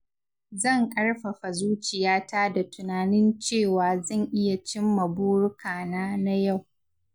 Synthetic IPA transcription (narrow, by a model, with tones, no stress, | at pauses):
zɐ˦˨ŋʔɐ˦ɽɸa˨ɸa˨zuː˦t͡ʃɪ˨jaː˦taː˦da˨tʊ˨naː˨nɪ˦nt͡ʃeː˦˨waː˨zɐ˦˨ŋʔɪ˦ja˨t͡ʃɪ˦mːɐ˨buː˦ɽʊ˦kʰaː˨naː˦na˦ja˦˨w